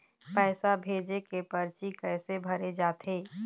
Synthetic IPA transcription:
pɛːsabʱeːd͡ʒekepəɾt͡ʃikɛːsebʱəɾed͡ʒaːt̪ɦeː

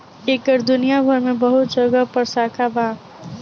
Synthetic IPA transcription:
eːkəɾd̪ʊnijabʱəɾmẽbɐɦʊt̪̚d͡ʒɐɡəpəɾsaːkʰabaː

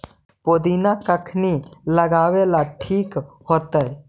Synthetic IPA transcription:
poːd̪iːnakəkʰniləɡaːwelaʈʰiːk | hoːt̪əɛ

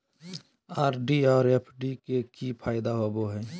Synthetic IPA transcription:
aːɾɖiɔːɾeːpʰɖikekipʰaːɪd̪aɦoboɦɛː

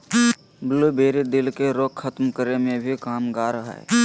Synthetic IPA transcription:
blubeːɾid̪ɪlkeɾoːkʰət̪mkəɾemẽbʱikaːmɡaːɾɦɛ̰ː

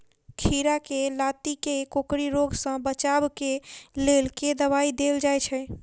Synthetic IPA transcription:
kʰiɾakelat̪ikekokɽiɾoɡsə̃bət͡ʃabkelelked̪əβaid̪eld͡ʒajt͡ʃʰɛ

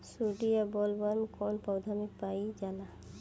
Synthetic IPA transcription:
suɖiabɔlbaɾmkɔnpawd̪ʱamik̚pajd͡ʒala

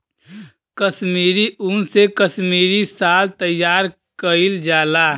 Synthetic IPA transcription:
kəsmiːɾiʔunsekəsmiːɾisaːlt̪əjːaːɾ | kəild͡ʒaːlaː

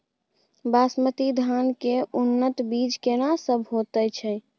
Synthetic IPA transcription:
basmət̪id̪ʱankeʔunːət̪biːd͡ʒkenasəbʱɦot̪əjt͡ʃʰɛ

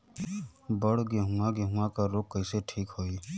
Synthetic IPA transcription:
bəɽ̤ɡeɦũaɡeɦũakaɾoːkkəɪseʈʰiːkɦoːi

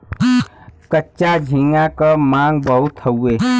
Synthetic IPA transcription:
kətːt͡ʃad͡ʒʱĩŋãkəmãːŋɡbəɦut̪ʰəwːeː

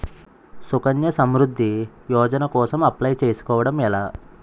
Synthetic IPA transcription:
sukɐnjɐsɐmɾud̪ʱːi | jɔːd͡ʒɐnɐkɔːsɐmɐplɐjt͡ʃeːsu̥kɔːʋɐɽɐmɛlaː

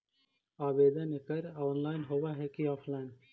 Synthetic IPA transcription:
aːbeːd̪ənekəɾaːnlaːɪnɦowaɦɛkiaːfʰlaːɪn

